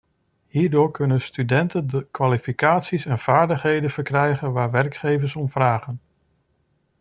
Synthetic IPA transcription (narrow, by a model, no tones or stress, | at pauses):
ɦiːɹdʊːɹkɵnənstydɛntəndəkʋaːlifikaːtsisɛnv̥aːɹdəχɦejdənv̥əɹkrɛjχənʋaːɹʋɛɹkχejvəɹsɔmvraːχən